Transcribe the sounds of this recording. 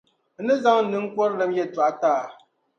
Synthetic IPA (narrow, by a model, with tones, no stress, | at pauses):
nɨ˦za˦ŋ˦n̩˦nɨ˦ŋ̩˦kwɔ˦ɾlɛ˨˦mjɛ˦˨ta˨˦taː˦˨